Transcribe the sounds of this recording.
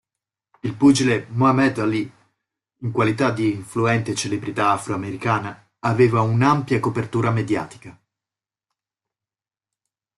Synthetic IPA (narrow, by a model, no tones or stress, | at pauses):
ilpud͡ʒilemoamɛd̪ali | iŋkwalit̪ad̪iɱfluɛnt̪et͡ʃelebɾit̪aːfɾoameɾikaːnaː | veːvaunampjakopert̪uːɾamed̪ja̰ːt̪i̥ka